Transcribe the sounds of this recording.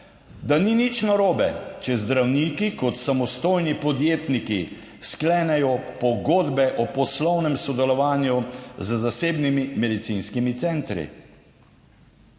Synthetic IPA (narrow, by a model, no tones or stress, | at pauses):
d̪aninit͡ʃnaɾoːbɛt͡ʃɛzd̪ɾawnikikɔt̪samɔst̪oːjnipɔd̪jeːt̪niki | sklɛːnɛjɔpɔɡoːd̪bɛʔɔpɔslɔwnɛmsɔd̪ɛlɔʋaːnjuzzaseːbnimimɛd̪it̪sinskimit̪sɛːnt̪ɾḭ